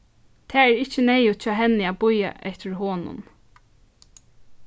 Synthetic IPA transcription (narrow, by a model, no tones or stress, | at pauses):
t̪ʰɛːɛːɹɪht͡ʃːɪnɛjʊt͡ʃʰɔːɦɛnːɪaːbʊja̰ʔɛht̪ɪɹhoːnʊ̰n